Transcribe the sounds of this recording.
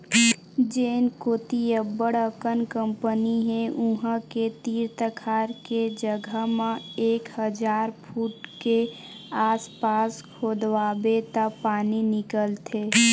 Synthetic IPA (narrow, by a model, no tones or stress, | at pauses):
d͡ʒeːnkoːt̪iəbəɽəkənkə̃mpəniɦẽʔuɦə̃ket̪iːɾt̪əkʰaːɾked͡ʒəɡʱəmãeːkhəd͡ʒaːɾpʰuːʈke | aːspaːskʰoːd̪ʋaːbet̪apaːninɪkəlt̪ʰe